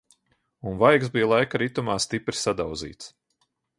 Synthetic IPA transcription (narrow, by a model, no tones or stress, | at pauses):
unvajksbijlˠajkaɾit̪umaːst̪ipɾi̥sad̪awd̪zḭːt̪s